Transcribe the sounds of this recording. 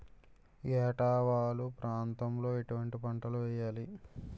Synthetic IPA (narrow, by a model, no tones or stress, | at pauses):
jɛːʈaːʋaːlupɾaːnt̪ɐmlo̞ːeʈuʋɐɳʈipɐɳʈɐluʋɛːjːaːli